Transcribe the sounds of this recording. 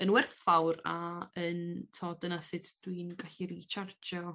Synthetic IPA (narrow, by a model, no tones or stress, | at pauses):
ənwɛrfawra̰əntʰoːdənasɪtʰd̥winɡaɬiɾit͡ʃʰard͡ʒɔ